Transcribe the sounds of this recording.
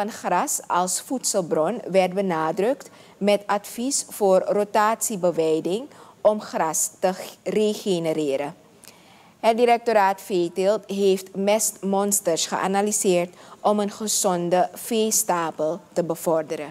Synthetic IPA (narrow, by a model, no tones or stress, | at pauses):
fɑnxrɑsɑlˠsfutsəlˠbrɔnʋɛrt̚bənaːdrɵkt | mɛtɑtfisfoːrrotaːtsibəʋɛjdɪŋɔmxrɑstəreχenəɾɪːɾə | ɦət̚diɾɛk̚toɾaːtfeːtɪltɦeːftmɛstmɔnstəɹsχə̰ʔa̰nalizɪːɹtʔɔmənχəz̥ɔndəfejstaːpəlˠtəbəv̥ɔrdəɾə